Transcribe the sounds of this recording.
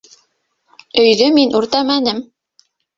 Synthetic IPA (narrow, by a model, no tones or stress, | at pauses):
ɵ̆jðɵminʔuɾt̪ɑmænɘm